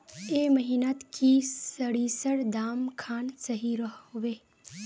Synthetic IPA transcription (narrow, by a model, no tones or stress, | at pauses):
eməɦinat̪kʰissəɽisəɽd̪aːmkʰaːnsəɦiɾəɦʋe